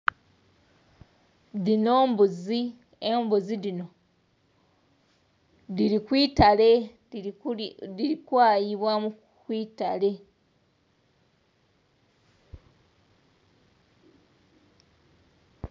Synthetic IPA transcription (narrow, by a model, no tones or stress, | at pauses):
ðino̞ːmbuzi | embuzidino̞ | diɾikwiːtale | iɾikwaːjiβwamu | kwiːta̰le̞